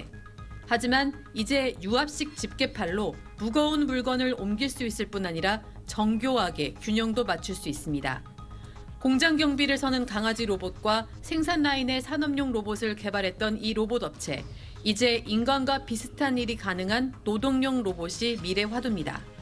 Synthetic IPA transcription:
had͡ʑiman | id͡ʑe̞juap̚ɕ͈ik̚t͡ɕip̚k͈e̞pʰaɭːo | muɡʌunmuɭɡʌnɯɾomɡiɭs͈uis͈ɯɭp͈unaɲiɾa | t͡ɕʌŋɡjoɦaɡe̞kjuɲʌŋdomat͡ɕʰuɭs͈uis͈ɯmɲida̰ | koŋd͡ʑaŋɡjʌŋbiɾɯɭsʰʌnɯnkaŋad͡ʑiɾobot̚k͈wa | sʰe̞ŋs̬ʰanːaine̞sʰanʌmɲoŋɾobosʰɯɭke̞baɾɦe̞t̚t͈ʌniɾobodʌp̚t͡ɕʰe̞̰ | id͡ʑe̞ʔinɡanɡwapisʰɯ̥tʰaniɾikanɯŋɦanːodoŋɲoŋɾoboɕʰimiɾe̞ɸwadumɲida̰

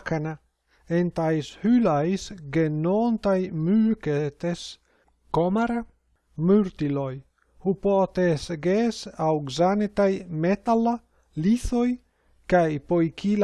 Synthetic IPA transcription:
kana | ent̪ajshylajsɡenont̪ajmyket̪es | komaɾa | myɾt̪iloj | hupot̪esɡesawɡzanet̪ajmet̪ala | liθoj | kajpojkʰil

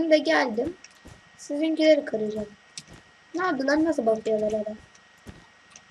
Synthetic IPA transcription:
nd̪ɛɟælʲd̪im | sizincilʲeɾikʰaɾɯd͡ʒam | naːd̪ɯnˠaɾnas̬ɯlˠbak̪ˠɯjolˠalˠaɾa

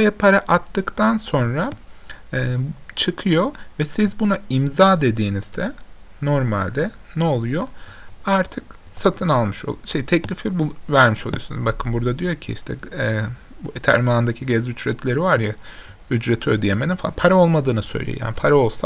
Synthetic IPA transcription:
ɛpʰaɾaʔat̪ːɯkt̪ʰanso̞nɾaː | t͡ʃʰɯkʰɯjo̞vɛsizbunaimzaːd̪e̞d̪iːniz̥d̪ɛ | no̞ɾmalʲd̪ɛ | nɛolˠujo | aɾt̪ʰɯk | sat̪ʰɯnalˠmɯʃo̰ʃejt̪ʰɛclʲifibuvæɾmiʃo̞lˠujo̞sun̰zbakʰɯnbuɾd̪ad̪ijo̞ɾcʰḭḭʃt̪ʰɛ̰ | buet̪ʰæ̰ɾmaːɯnd̪acʰiɟɛzyt͡ʃɾɛt̪ʰlʲe̞ɾivaɾja | yd͡ʒɾɛt̪ʰø̰d̪ijemed̪imfapʰaɾao̞lˠmad̪ɯːnɯsø̞̰jlʲḛjo̰ja̰ːnipʰaɾao̞lˠsa

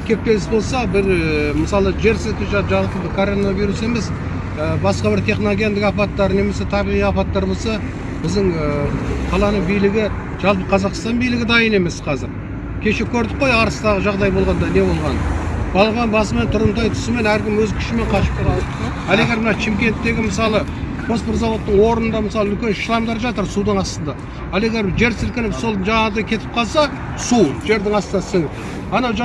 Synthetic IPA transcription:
kʲʰe̞p̚t̪e̞lɪsbo̞lˠsɑbɪɾməsɑlˠəʒe̞ɾset̪ʲɪʒɑpʒɑk̪ʲʰɪbɪkʰo̞ɾo̞naviɾuse̞me̞s | əbɑsqɑbɪɾt̪ʰe̞χnoɡʲe̞nd̪ɪkɑpɑt̪ːɑɾne̞me̞se̞t̪ʰɑbiʁijɑpɑt̪ːɑɾbo̞lˠsɑ | b̥ɪzd̪ɪŋəqʰɑlˠɑnəɴbijlɪɡʲɪ | ʒ̥ɑlˠp̬əqʰɑzɑqst̪ɑnbijlɪɡʲɪd̪ɑjəne̞me̞sqʰɑzɪɾ | kʲʰe̞ʃe̞kʲʰɵɾd̪ɪqqo̞jɑɾəst̪ɑʁəʒɑʁd̪ɑjbo̞lˠʁɑnd̪ɑne̞bo̞lˠʁɑnb̥ɑlˠəʁɑnbɑs̬əme̞nt̪ʰʊɾənt̪̬ɑjt̪ʰʏ̥sɪme̞næɾkʲɪmwɵzkʲʰʏ̥ʃɪme̞ɴqʰɑʃə̥p̚kʲelˠɑ | ɑlˠe̞ɡʲe̞ɾmənɑʃɪmkʲe̞nt̪ːe̞ɡʲɪməsɑlˠə | pʰo̞spɪrzawo̞t̪ːəɴwo̞ɾənənd̪ɑməsɑlˠəʏlkʲe̞nʃəlˠɑmd̪ɑɾʒɑt̪əɾsud̪əɴɑst̪ənd̪ɑ | ɑlˠe̞ɡʲe̞ɾʒe̞ɾsɪɾkʲɪnɪfso̞lˠʒɑɴɑʁəd̪ɑjkʲʰe̞t̪ʰɪ̥p̚qʰɑlˠsɑ | suʒe̞ɾd̪ɪŋɑst̪ənd̪ɑsɪŋ | ɑnɑwʒ

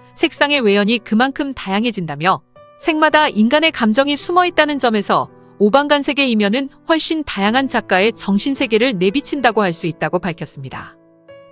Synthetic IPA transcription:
sʰe̞k̚s͈aŋe̞we̞jʌɲikɯmankʰɯmtajaŋɦe̞d͡ʑindamjʌ | sʰe̞ŋmadainɡane̞kamd͡ʑʌŋisʰumʌet̚t͈anɯnd͡ʑʌme̞sʰʌ | obanɡansʰe̞ɡe̞imjʌnɯnɸwʌɭɕ͈intajaŋɦand͡ʑak͈ae̞t͡ɕʌŋɕʰinsʰe̞ɡe̞ɾɯɭnebit͡ɕʰindaɡohaɭs͈uit̚t͈aɡopaɭkʰjʌs͈ɯmɲida̰

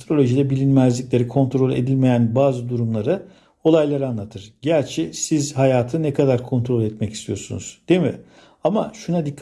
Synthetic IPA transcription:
t̪ɾo̞lʲo̞ʒid̪ɛbilʲinmæzlʲicʲlʲe̞ɾikʰo̞nt̪ɾo̞lʲe̞̰d̪ilʲme̞jænbaːzɯd̪uɾumlˠaɾɯ | o̞lˠajlˠaɾɯanlˠat̪ʰɯɾ̥ɟæɾʲt͡ʃʰɛsizɦajaːt̪ʰɯnɛkʰad̪aɾkʰo̞nt̪ɾo̞lʲɛt̪mɛci̥st̪ʰijo̞sunṵz̥d̪̥emḭ | amaʃunad̪ikʰː

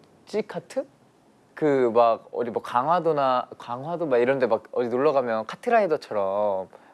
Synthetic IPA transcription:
t͡ɕ͈ikʰatʰɯ | kɯmaɡ̚ʌ̰dimwʌkaŋwadonakaŋɦwadomaɡiɾʌndemak̚ʌdinoɭːʌɣamjʌnkʰatʰɯɾaedot͡ɕʰʌɾʌm

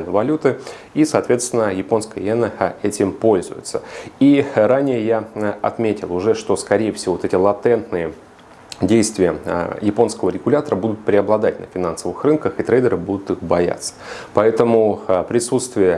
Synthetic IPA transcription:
nəvɐlʲut̪ɨ | isɐːt̪vʲe̞t̪st̪vʲɪnːəjɪpo̞nskəjə̰ɛnəɛtʲɪmpolʲzʊ̰jʊ̰t̪səiɾanʲɪjəjaɐt̪mʲetʲɪlˠʊʐɛʂt̪o̞skɐɾʲejəfsʲɪvoot̪ɛtʲɪlˠɐt̪ɛnt̪nɨjə | dʲejst̪vʲɪjəjɪpo̞nskəvəɾʲɪɡʊlʲat̪əɾəbud̪ʊt̪̚pɾʲɪɐblˠɐd̪at̚ʲnə̰fʲɪnansəvɨxrɨnkəxɨt̪ɾejd̪ʲəɾɨbud̪ʊt̪ɨxbɐja̰t̪sːə̥pɐɛt̪əmʊpɾʲɪsut̪st̪vʲɪjə

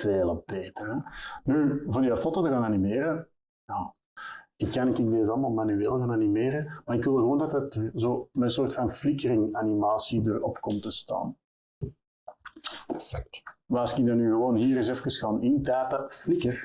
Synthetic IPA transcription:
veːlˠb̥eːtərɛnyːvoːrdiɑfɔtətəɣaːnanimeːɾə | jaː | ɪkːɑnɪkɪndeːzɑlˠmaːlˠmanyeːlˠɣaːnanimeːɾəmaːɾɪkʋɪlˠɣəwoːndɑtətzoːmɛnsoːrtfɑnflɪkəɾɪŋanimaːsidərɔpkɔmtəsta̰ːn | k̚tʋaɑsɪkidɑnːyːɣəwoːnɦiːɾɪsɛfəkəsxaːnɪntɛːpəflɪkər

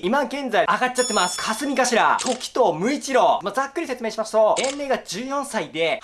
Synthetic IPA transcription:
imaɡẽ̞nd͡zaiaɡat͡ɕːat̪ːe̞masɨ̥kʰasɨmʲikaɕiɾa̰t̪ʰo̞kʲi̥t̪o̞ːmɯ̟it͡ɕiɾo̞mad͡zakːɯ̟ɾʲiset͡sɨmeːɕimasɨ̥t̪o̞ẽ̞nɾe̞ːɡad͡ʑɨːjõ̞ɰ̃said̪e̞

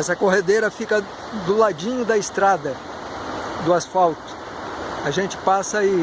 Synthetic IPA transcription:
ɛsɐkoɦed̪eɾɐfikɐ | d̪ʊlad͡ʒĩɲʊd̪ɐɪst̪ɾad̪ɐ | d̪ʊasfawt̪ʊ̥ | aʒẽnt͡ʃɪ̥pasɐi

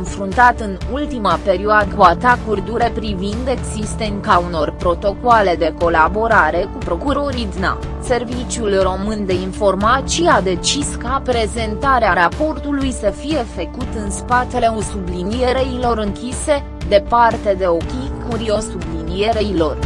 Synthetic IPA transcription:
nfɾunt̪at̪ɨnult̪imape̞ɾioad̪əkuat̪akurd̪uɾe̞pɾivind̪e̞ɡzist̪e̞nkauno̞rpɾo̞t̪o̞koale̞d̪e̞ko̞labo̞ɾaɾe̞kupɾo̞kuɾo̞ɾid̪na̰ | se̞rvit͡ʃjulro̞mɨnd̪e̞info̞rmat̪siad̪e̞t͡ʃiskapɾe̞ze̞nt̪aɾeaɾapo̞rt̪ulujsəfije̞fəkut̪ɨnspat̪e̞le̞o̞sublinije̞ɾe̞ilo̞ɾɨŋkʲise̞ | d̪e̞part̪e̞d̪e̞o̞kʲikuɾio̞sublinije̞ɾe̞ilo̞r

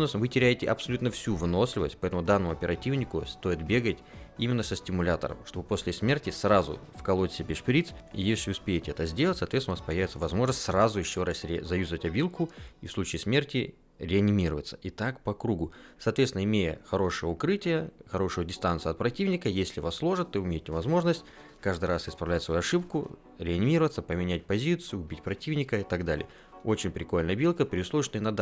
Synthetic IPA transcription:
snvɨtʲɪɾʲæjɪtʲɪʔɐpsɐlʲut̪nəfsʲuvno̞sʲlʲɪvə̰sʲt̚ʲpɐɛt̪əmʊd̪anːəmʊɐpʲɪɾɐtʲivnʲɪkʊst̪o̞jɪt̪̚bʲe̞ɡətʲimʲɪnːəsəsʲtʲɪmʊlʲat̪ə̰ɾə̰mʂt̪o̞bɨposʲlʲɪsʲmʲe̞rtʲɪsrazʊ̰fkɐlˠosʲɪbʲɪʂpʲɾʲit̪sjesʲlʲɪʊspʲejɪtʲɪɛt̪əzʲdʲelˠətʲsaːt̪vʲesnvaspɐjævɪt̪səvɐzmo̞ʐnəsʲt̪ʲsrazʊjɪɕːoɾasʲɾʲzɐjʲuzəvətʲɐbʲilˠkʊifslˠut͡ɕɪːsmʲe̞rtʲɪ | ɾʲɪɐnʲɪmʲiɾəvət̪sə̥ʔɪt̪akpɐkɾuɡʊsɐːt̪vʲet̪ʲɪnəɪmʲejəxɐɾo̞ʂɨjəʊkɾɨtʲɪjəxɐɾo̞ʂʊjədʲɪst̪ant̪sɨɐt̪̚pɾɐtʲivnʲɪkəjesʲlʲɪvaslˠo̞ʐɨt̪ːoʊmʲejɪtʲɪvɐzmo̞ʐnəsʲtʲ | kaʐd̪ɨɾasɪspɾɐvlʲætʲsvɐjuɐʂɨpkʊ̰ | ɾʲɪɐnʲɪmʲiɾəvət̪səpəmʲɪnʲæt̚ʲpɐzʲit̪sɨjʊːbʲitʲpɾɐtʲivnʲɪkəɪt̪aɡd̪alʲɪ̰jə | o̞t͡ɕɪnʲpɾʲɪko̞lʲnəjɐbʲilˠkəpɾʲɪʊslˠoɪʂt̪oɪnɐd̪a

